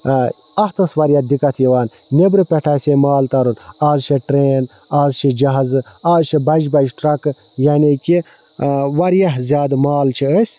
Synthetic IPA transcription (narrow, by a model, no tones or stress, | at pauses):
ɐht̪ɐsʋɐɾjad̪ikɐt̪ʰjiʋaːn | nebɾɨpʲeʈʰasemaːlt̪ɐɾunaːzt͡ʃʰeʈɾeːn | aːzt͡ʃʰid͡ʒɐɦɐzɨ | aːzt͡ʃʰibɐd͡ʒbɐd͡ʒʈɾɐkɨ | janeki | ʋɐɾjɐɦzʲjaːd̪maːlt͡ʃʰiəsʲ